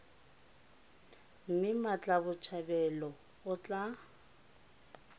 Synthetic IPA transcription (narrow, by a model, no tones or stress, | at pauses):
m̩mɪmat͡ɬʼabʊt͡ʃʰabɛlɔ | ʊt͡ɬʼa